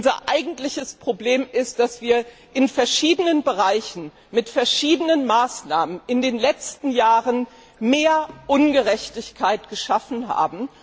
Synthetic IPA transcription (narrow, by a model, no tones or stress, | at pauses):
ʔʊnzɐ̰ʔaɪɡŋ̩tlɪçəspʁ̥obleːmɪst̚d̥asv̥iːɐ | ʔɪnfɛɐʃiːdənənbəʁaɪçn̩ | mɪtfɛɐʃiːdənənmaːsnaːmənɪndeːnlɛt͡stn̩jaːʁən | meːɐʔʊnɡəʁɛçtɪçkʰaɪtɡ̥əʃafn̩ɦa̰ːbm̩